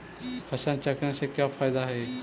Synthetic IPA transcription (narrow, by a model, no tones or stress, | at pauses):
həɕãnt͡ɕaknãsekjafajd̪aɦe